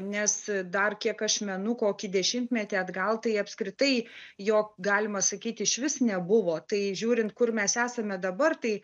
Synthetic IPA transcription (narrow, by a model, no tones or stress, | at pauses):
nʲɛsd̪ɐrkʲiɛkɐʃmʲɛnʊkoːkʲɪd̪ʲɛʃʲɪmʲt̪ʲmʲɛt̪ʲeːɐd̪ɡɐlˠt̪ɐɪɐpskɾʲɪt̪ɐɪjoːkɡɑːlʲɪmɐsɐkʲiːt̪ʲɪʃʲʋʲɪsnʲɛbʊʋoːt̪ɐɪʒʲuːɾʲɪnt̪̚kʊrmʲɛsæːsɐmʲɛd̪ɐbɐrt̪ɐɪ